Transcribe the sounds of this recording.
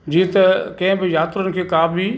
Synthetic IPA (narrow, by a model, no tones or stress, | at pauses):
d͡ʑiːt̪kɐ̃ɦɪ̃bɪjaːt̪ɾənɪ̆kʰeːkaːbʱiː